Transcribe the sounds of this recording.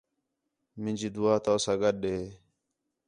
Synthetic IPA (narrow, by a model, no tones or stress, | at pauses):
mɪ̃nd͡ʒiːd̪ʊaːt̪aːsaɡəɗeː